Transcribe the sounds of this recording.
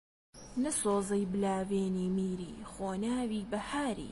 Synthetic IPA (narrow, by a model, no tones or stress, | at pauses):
nɐsoːzɐjbɨlaːveːniːmiːɾḭːxoːnaːwiːbɐhaːɾḭː